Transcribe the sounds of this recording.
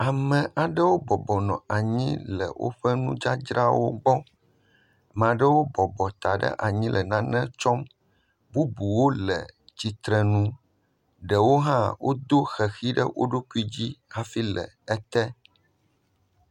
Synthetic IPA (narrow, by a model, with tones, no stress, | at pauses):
a˨mɛ̃˨ʔa˨ɖə˦wo˦bɔ˨bɔ˨nɔ̃˨a˨ɲḭ̃˦lɛ̰˨wʔo̰˦ɸɛ˦nũ˦d͡ʒa˦d͡ʒɾa˦wo̰˦ɡ͡bɔ˦˨ | mɛ̃˨a˨ɖə˦wo˦bɔ˨bɔ˨t̪a˨ɖə̰˦ʔa˨ɲĩ˦lʔɛ˨nã˦nɛ̃˦t͡ʃɔ˦m | bu˦bu˨wo˦lɛ̰˨d͡ʑi˨t̪ɾɛ˨nũ˦ | ɖɛ˨wo˦ɦã˦wʔo˦d̪o˦xɛ˨xi˦ɖə̰˦wʔo̰˦ɖo˦ku˦i˦d͡ʑi˦ha˦fi˦lɛ̰˨ | ɛ˦t̪ɛ˦